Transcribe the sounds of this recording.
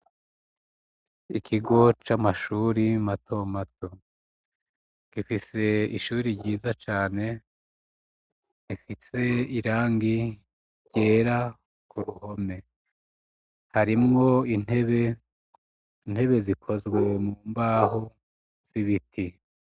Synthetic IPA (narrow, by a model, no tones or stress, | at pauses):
ikʰiɡo̞t͡ʃamaʃuːɾimato̞mato | kifise̞iʃuːɾiɾɟiːzat͡ʃaːne̞ | nifise̞iɾaːŋɡi | ɾɟ̥e̞ːɾa | kuɾuho̞me̞ | haɾimŋo̞ineβe | n̥he̞βe̞zikʰo̞zɡwe̞muːmbaːɦo | z̥iβiti